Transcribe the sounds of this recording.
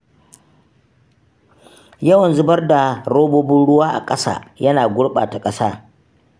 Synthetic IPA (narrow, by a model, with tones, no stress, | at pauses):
jɐ˦wɐ˨nzʊ˦˨bɐ˦rda˨ɽoː˦boː˦bɪ˦nɽʊ˦waː˦ʔa̰˨kʼɐ˦sa̰ː˦˨jɐ˦naː˨ɡʷʊ˦ɽɓa̰ː˨ta˨kʼɐ˦saː˦